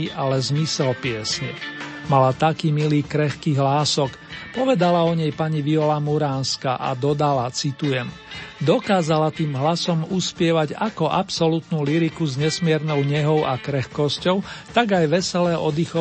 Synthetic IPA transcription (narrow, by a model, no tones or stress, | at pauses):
iʔalɛzmisɛlpɪɛsɲɛmalat̪akiːmiliːkɾɛxkiːɦlaːsɔk | pɔʋɛd̪alaɔɲɛjpaɲiʋiɔlamuɾaːnska̰ʔa̰d̪ɔd̪alat͡sit̪ujɛm | d̪ɔkaːzalat̪iːmɦlasɔmuspɪɛʋaɟakɔʔapsɔlut̪nuːliɾikuzɲɛsmɪɛɾnɔʊɲɛɦɔʊʔakɾɛxkɔscɔʊ | t̪aɡajʋɛsɛlɛːʔɔd̪ixɔ